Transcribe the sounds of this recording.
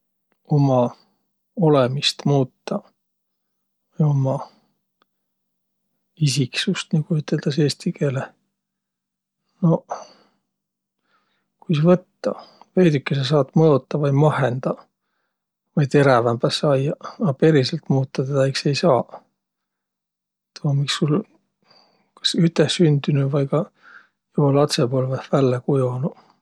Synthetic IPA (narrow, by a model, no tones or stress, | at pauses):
o̞mɑ | olemist̪muːt̪ːɑ | vɑjo̞mɑ | isiksust̪nikuyt̪ːˑe̞ld̪̥ɑseːst̪ike̞ːle | no̞ | kujsevɤt̪ːɑve̞jd̪ykːeses̬ɑːt̪mɤot̪ːɑvɑjmɑhend̪̥ɑ | vɑjt̪e̞ɾævæmbæsɑjɑɑpe̞ɾiselt̪muːt̪ːɑt̪ed̪̥ɑejkse̞jsɑː | t̪omɑmiksːul | kɑ̥syt̪ːˑesynd̪ynuvɑjkɑ | jolɑt̪sepoːlvæhvælːekujonu